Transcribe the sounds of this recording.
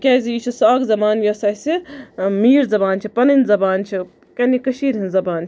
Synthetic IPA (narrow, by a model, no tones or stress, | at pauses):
kʲeːziːt͡ʃʰisaːɡzɐbaːnjɐsaːsimiːɾzɐbaːnt͡ʃʰipɐnɨnzɐbaːnt͡ʃʰi | kɐnikɐʃiːɾɦinzɐbaːn